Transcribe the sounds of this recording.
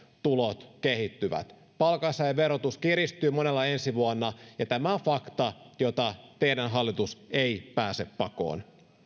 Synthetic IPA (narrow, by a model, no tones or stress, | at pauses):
t̪ulot̪kehit̪ːyʋæ̰t̪ | pɑlkɑsɑjʋeɾot̪uskiɾist̪yːmonelːɑensiʋuɑnːɑjɑt̪æmæofɑkt̪ɑjot̪ɑt̪eidænɦɑlːit̪useipæːseppɑko̰ːn